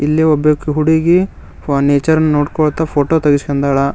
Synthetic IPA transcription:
ilːiɔbjɐkːiɦuɽiɡi | neːt͡ʃɐɾɐnːnoːɽkoɭt̪ɐpʰoːʈoːt̪ɐɡiskɐnd̪ɐɭɐ

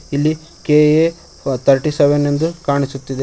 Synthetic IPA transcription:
ilːi | kee | t̪ʰɐɾʈiseʋenend̪ukaːɳisut̪ːid̪e

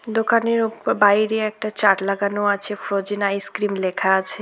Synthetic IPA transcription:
d̪okaneɾupbajɾeɛk̚ʈat͡ɕaʈlaɡanoat͡ɕʰefɾod͡ʑinajskɾimlekʰaat͡ɕʰe

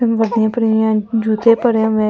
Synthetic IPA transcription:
ʋəd̪ɪjãːpəɾijãːd͡ʒuːt̪eːpəɾjãːʋɛː

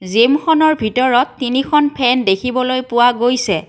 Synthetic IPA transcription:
zemxʰɔnɔɹbʱitɔɹɔtːinikʰɔnpʰɛndekʰibɔlojpʊwaɡojsɛ

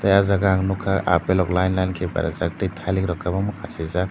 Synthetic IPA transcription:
tajazaɡaŋnukʰaʔa̰pelɔklajnlajnkʰeba̰ɾa̰zak̚titʰalikɾɔkʰːabamukʰasiza

